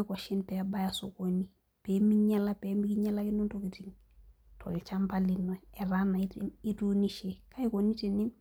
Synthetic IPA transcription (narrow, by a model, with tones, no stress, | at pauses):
ko˨ʃi˦npɛaba˦jasokoni | pe˦miɲa˦la˦pɛmiki˦ɲa˦la˦ki˦nu˦ntokitiŋ | tʰo̰˨lt͡ʃa˦mpalino˨ɛ˨ɾana˨i˦timi˦tu˦niʃeka˦i˦koni˦teni˦m